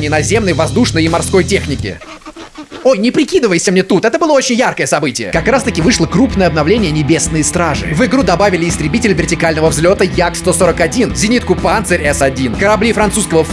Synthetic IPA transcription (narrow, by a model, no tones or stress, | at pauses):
nʲɪnɐzʲe̞mnəjvɐzd̪uʂnəjɪmɐrsko̞jtʲe̞xnʲɪkʲɪ̰ | ojnʲɪpɾʲɪkʲid̪ɨvəjɪsʲəmnʲet̪ut̪ɛt̪əbɨlˠəo̞t͡ɕɪnʲjarkəjəsɐbɨtʲɪjə̰kɐkɾast̪əkʲɪvɨʂlˠəkɾupnəjəɐbnɐvlʲenʲɪjənʲɪbʲe̞snəjst̪ɾaʐɨ̰vɨɡɾud̪ɐbavʲɪlʲɪːst̪ɾʲɪbʲitʲɪlʲvʲɪrtʲɪkalʲnəvəvzʲlʲo̞t̪əjakst̪oso̞ɾəkɐdʲinzʲɪnʲit̪kʊpant̪səɾʲɛsɐdʲinkəɾɐblʲifɾɐnt̪suskəvə